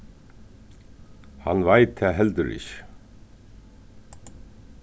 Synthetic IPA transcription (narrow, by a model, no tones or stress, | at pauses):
ha̰nvajt̪ʰːɛːɦɛlt̪ʏɾɪ̰ç̥